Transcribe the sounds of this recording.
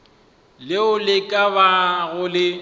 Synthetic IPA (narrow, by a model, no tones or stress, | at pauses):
lɪʊlɪkʼabaɣʊlɪ